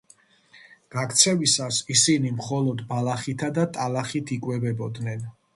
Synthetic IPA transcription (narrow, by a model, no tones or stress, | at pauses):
ɡ̥akʰt̪sʰɛvisasisinimχɔlˠɔd̪balaχit̪ʰad̪at̪ʼalaχit̪ʰikʼwɛbɛbɔd̪nɛn